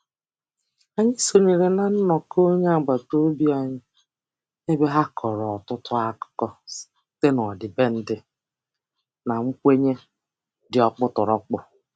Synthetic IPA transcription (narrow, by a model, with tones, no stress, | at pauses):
a˨ɲɪ˦so˨ɲe˨ɾe˨na˨n̩˦nɔ˨kʰo˦ɲe˦a˨ɡ͡ba˨to˦bi˦a˦ɲɪ˦ | e˦be˦ɦa˦kʰɔ˨ɾɔ˨ɔ˨tʊ˦tʰʊ˦a˦kʊ̥˦kɔ˦ | te˦nɔ˨dɪ˨be˦n̩˦dɪ˦ | na˨ŋ͡m̩˦kʷe˦ɲe˦ | dɪ˨ɔ˨k͡pʊ˦tʊ˨ɾɔ˦k͡pʊ˦